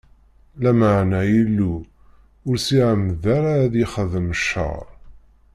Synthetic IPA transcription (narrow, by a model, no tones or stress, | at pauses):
læməʕnæjilːu | ʊɾsiʕəmðaɾaðiχəðəməʃːə̰ɾˤ